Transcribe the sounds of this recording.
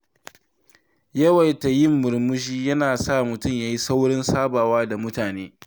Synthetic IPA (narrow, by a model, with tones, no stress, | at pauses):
jɐ˦wɐ˨jta˨jɪ˦˨mːʊ˨rmʊ˦ʒiː˦jɐ˦naː˨sa˦˨mʊ˨tʊ˦˨mjaː˦ji˦sa˦wɽɔ˦nsaː˦baː˨waː˦da˨mʊ˦taː˨neː˦